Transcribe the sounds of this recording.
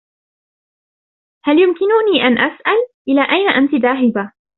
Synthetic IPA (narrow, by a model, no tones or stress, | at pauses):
haljʊmkɪnʊniːʔanʔasʔalʔɪlaːʔajnaʔant̪ɪðaːɦɪba